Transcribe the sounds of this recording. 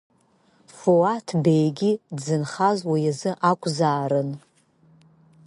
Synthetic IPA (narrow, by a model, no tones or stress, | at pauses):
foatʰbejɡʲidzɨnχazwijazɨʔakʷʼzaːɾɨn